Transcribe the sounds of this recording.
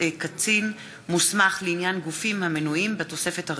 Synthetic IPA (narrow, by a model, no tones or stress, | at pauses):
kat͡sin | musmaχleinjanɡufimhame̞nuimbeto̞se̞fe̞tha